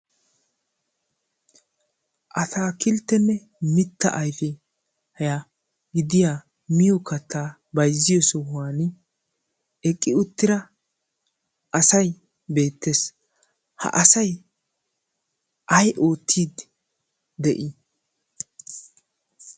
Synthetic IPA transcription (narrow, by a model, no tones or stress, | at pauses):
ʔɐt̪aːkɪlt̪ːɛnːɛ | mɪt̪ːɐʔɐjfɛ | hɐja | ɡɪd̪ɪjaː | mɪjɔkɐt̪ːaː | bɐjzːɪjɔsɔwwaːn | ɛkʼːɪʊt̪ːɪɾɐ | ʔɐsɐj | be̞ːt̪ːeːs | hɐ̰ʔɐsɐj | ʔɐjʔoːt̪ʰːiːd̪ | d̪ɛʔɪ